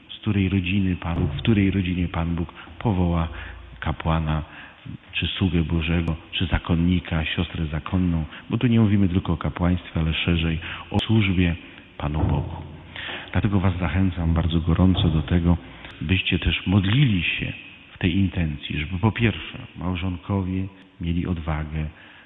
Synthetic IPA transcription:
skt̪uɾɛjɾɔd͡ʑinɘpanbukfkt̪uɾɛjɾɔd͡ʑiɲɛpanbukpɔvɔwakapwana | t͡ʂɘswuɡɛbɔʐɛɡɔt͡ʂɘzakʰɔnːikʰaɕɔst̪ɾɛzakʰɔnːɔ̃w̃bɔt̪uɲɛmuvʲimɘt̪ɘlkɔɔkapwaj̃st̪fʲɛalɛʂɛʐɛjʔɔswuʐbʲjɛ | panubɔɡu | d̪̥lat̪ɛɡɔvazːaxɛnt̪sambaɾd̪zɔɡɔɾʔɔnt̪sɔd̪ɔt̪ɛɡɔ | bɘɕt͡ɕɛt̪ɛʂmɔd̪lʲilʲiɕɛ̰ | ft̪ɛjint̪ɛnt̪sʲjḭʐɛbɘpɔpʲjɛɾfʂɛ̰mawʐɔŋkʰɔvʲjɛ | mʲjelʲiʔɔd̪vaɡɛ

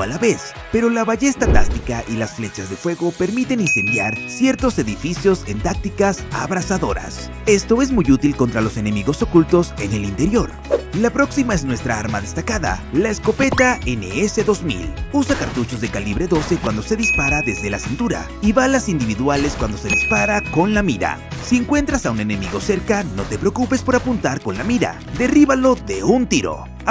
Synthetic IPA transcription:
alaβe̞s | pe̞ɾo̞laβaʝe̞st̪at̪a̰st̪ikaʔilasfle̞t͡ʃazðe̞fwe̞ɣo̞pe̞ɾmit̪e̞ninse̞nd̪jaɾsje̞ɾt̪o̞se̞ðifisjo̞se̞nt̪ak̚t̪ikasa̰βɾasaðo̞ɾa̰s | e̞st̪o̞e̞zmuʝut̪ilko̞nt̪ɾalo̞se̞ne̞miɣo̞so̞kult̪o̞se̞ne̞lint̪e̞ɾjo̞ɾ | lapɾo̞ksimae̞znwe̞st̪ɾaaɾmaðe̞st̪akaða̰laesko̞pe̞t̪ae̞ne̞̰ese̞ðo̞zmḭlusakaɾt̪ut͡ʃo̞zðe̞kaliβɾe̞ðo̞se̞kwand̪o̞se̞ðispaɾaðe̞zðe̞lasint̪uɾa̰ | iβalasind̪iβiðwale̞skwand̪o̞se̞ðispaɾako̞nlamiɾa̰sie̞ŋkwe̞nt̪ɾasaune̞ne̞miɣo̞se̞ɾkano̞t̪e̞pɾeokupe̞spo̞ɾapunt̪aɾko̞nlamiɾa̰ | d̪e̞riβalo̞ðe̞unt̪iɾo̞̰

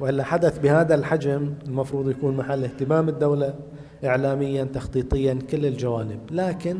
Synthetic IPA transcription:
wʔɪlːaħad̪aθbɪhaːðalħad͡ʒamɪlmɑfɾˤuːd̪ˤjakuːnmaħalːɪht̪ɪmaːmɪd̪ːawla | ʔɪʕlaːmɪjːant̪ɑxt̪ˤiːt̪ˤɨjːankɪlːɪld͡ʒawaːnɪblaːkɪn

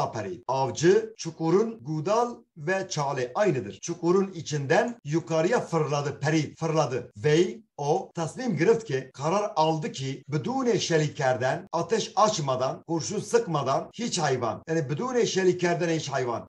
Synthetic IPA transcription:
ɑpʰɛɾḭːɑvd͡ʒɨt͡ʃʰukʼuɾunɡud̪alvɛt͡ʃʰaːlɛʔɑjnɨd̪ɨ̰ɾt͡ʃʰukʼuɾunit͡ʃʰind̪ɛnjukʰɑɾijafɨɾlad̪ɨpʰɛɾiːfɨɾlad̪ɨvɛjot̪ʰɛsnimɡɨɾɨft̪kʰʲɛqʰɑɾaɾɑld̪ɨkʰibɨd̪uːneʃɛlikʰːɛɾd̪ɛnɑːt̪ʰɛʃɑt͡ʃʰmɑd̪ɑnkuɾʃunsɨqmɑd̪ɑnhit͡ʃhɑjvɑ̰njaːnibɨd̪uːneʃɛlikʰːɛɾd̪ɛnhit͡ʃhɑjvɑ̰n

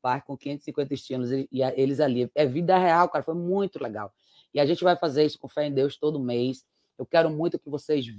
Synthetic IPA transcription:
pajkõkĩẽt̪ʊ̥sĩŋkwẽnt̪ɐɪʃt̪ĩnlʊzeɪaʔelɪzaliɛvid̪ɐheawkaɾɐfojmũj̃t̪ʊleɡa̰w | ɪaʒẽnt͡ʃɪvajfazeɾisʊ̥kõfɛẽd̪ewst̪od̪ʊmejs | ewkɛɾʊmũj̃t̪ʊkɪvosez

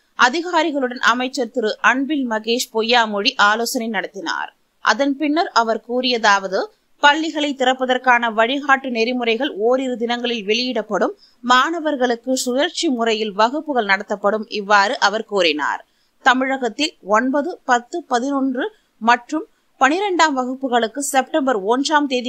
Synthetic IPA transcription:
ʔɐðɪɣaːɾɪɣɐɭɯɽɐnʔɐmɐɪt͡ʃːɐɾt̪ɪɾɯʔɐɳbɪlmɐɣeːʂpɔjːaːmɔɻiʔaːloːsɐnɐɪnɐɽɐt̪ːɪna̰ːɾ | ʔɐ̰ðɐnpɪnːɐɾɐʋɐɾkuːrɪjɐðaːʋɐðɯ | pɐɭːɪɣɐɭɐɪt̪ːɪrɐpːɐðɐrkaːnɐʋɐɻɪɣaːʈːɯnɛɾɪmɯrɐɪɣɐɭoːɾɪɾɯd̪ɪnɐŋɡɐɭɪlʋɛɭɪjɪɽɐpːɐɽɯmː | aːnɐʋɐɾɣɐɭɯkːɯsʊjɐɾt͡ʃimʊrɐjɪlʋɐɣɯpːɯɣɐɭnɐɽɐt̪ːɐpːɐɽɯmʔɪʋːaːɾɯʔɐʋɐɾkuːrɪna̰ːɾ | t̪ɐmɪɻɐɣɐt̪ːɪlɔnbɐðɯpɐt̪ːɯpɐðɪnɔndrɯ | mɐʈrɯm | pɐnɪɾɛɳɖaːmʋɐɣɯpːɯɣɐɭɯkːɯsɛpʈɐmbɐɾɔndraːmt̪eːðɪ

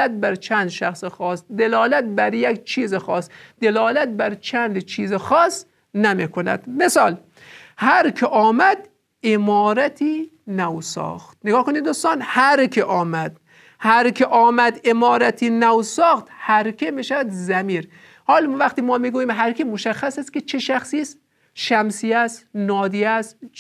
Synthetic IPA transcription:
æt̪̚bæɾt͡ʃʰænd̪ʃæxsexɒːsd̪elɒːlæt̪̚bæɾjekt͡ʃʰiːzexɒːst̪d̪elɒːlæt̪̚bæɾt͡ʃʰænd̪t͡ʃʰiːzexɒːs | næmiːkʰonæ̰d̪̥mesɒːl | hæɾkʰeʔɒːmæd̪ | emɒːɾæt̪ʰiː | næwsɒ̰ːxt̪̚neɡɒːhkoniːd̪d̪uːst̪ɑːnhæɾkʰeʔɒːmæd̪̥ | hæɾkʰeʔɒːmæd̪emɒːɾæt̪ʰiːnæwsɒːxt̪hæɾkʲʰemiʃævæd̪zæmiːɾ | hɒːlvæxt̪iːmɒːmiːɡuːjiːmɦæɾkemoʃæxːæsæst̪kʲet͡ʃʰeʃæxsiːs | ʃæmsiæst̪nɒːd̪iːæst̪

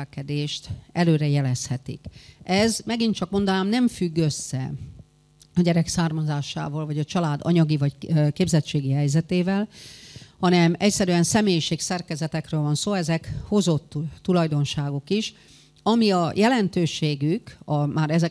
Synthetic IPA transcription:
kɛd̪eːʃt̪ɛløːɾɛjɛlɛshɛt̪ḭkʔɛzmɛɡint͡ʃɒkmo̞nd̪ɒnaːmnɛɱfyɡːø̞sːɛ̰ | ɒɟɛɾɛksaːrmɒzaːʃa̰ːvɒːlvɒɟɒt͡ʃɒlaːd̪ɒ̰ɲɒɡivɒckeːbzɛt͡ʃeːɡiɦɛjzɛt̪eːvɛl | hɒnɛmɛcsɛɾyɛnsɛmeːjiʃeːksɛrkɛzɛt̪ɛkrøːlvɒnsoːɛzɛkho̞zo̞t̪ːulɒjd̪o̞nʃaːɡokiʃ | ɒmiɒjʔɛlɛnt̪øːʃeːɡykɒmaːɾɛzɛ

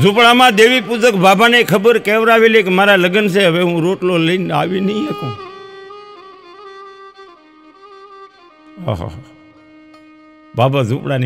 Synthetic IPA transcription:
zupɭamãd̪eʋipud͡ʒəkbabʱanekʰəbəɾkeʋɾaʋelekemaɾaləɡənseɦəʋeɦũɾoʈloləina̰ʋinəiek̪õ | ɦa̰ɦa̰ | babʱazupɽan

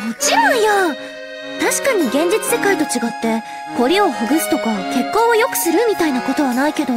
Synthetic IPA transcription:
mot͡ɕiɾõ̞ɰ̃ja | t̪aɕi̥kaɲ̟iɡẽ̞ɲ̟d͡ʑit͡sɨ̥se̞kait̪o̞t͡ɕiɡat̪ːe̞ | ko̞ɾʲio̞ɸɯ̟ɡɯ̟sɨ̥t̪o̞kake̞kːõ̞ːojo̞kɯ̟̥sɨɾɯ̟mʲit̪ainako̞t̪o̞βanaike̞d̪o̞

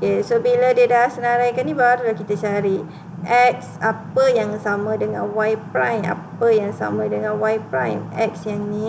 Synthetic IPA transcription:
kesobiladiədasənaɾajkanibaɾulahkit̪at͡ʃaɾi | ʔɛk̚sapəjaŋsamə̃dəŋã̰nwajpɾajma̰pəjaŋsa̰mãdəŋãnwajpɾajmɛk̚sjaŋni

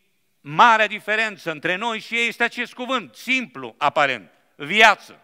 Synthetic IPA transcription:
maɾead̪ife̞ɾe̞nt̪səɨnt̪ɾe̞no̞jʃijeje̞st̪eat͡ʃe̞st̪̚kuvɨnt̪simplṵapaɾe̞̰nt̪ | vjat̪sə̰

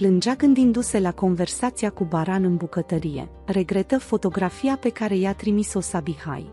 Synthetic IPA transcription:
plɨnd͡ʒakɨnd̪ind̪use̞lako̞nve̞rsat̪siakubaɾanɨnbukət̪əɾije̞̰ | re̞ɡɾe̞t̪əfo̞t̪o̞ɡɾafijape̞kaɾe̞jeat̪ɾimiso̞sabiha̰j

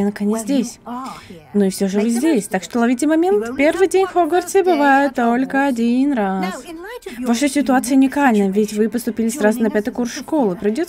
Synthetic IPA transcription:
ankɐnʲezʲdʲesʲ | nuɪfsʲoʐɨvɨzʲdʲesʲt̪akʂt̪olˠɐvʲitʲɪmɐmʲe̞nt̪pʲe̞rvɨjdʲenʲxoɡərt̪sʲəbɨvajɪt̪ːolʲkəɐdʲinrasvaʂɨjsʲɪt̪ʊat̪sɨjəʊnʲɪkalʲnəjvʲɪtʲvɨpəst̪ʊpʲilʲɪsɾazʊnɐpʲat̪ɨkursʂko̞lˠɨpɾʲɪjdʲot̪

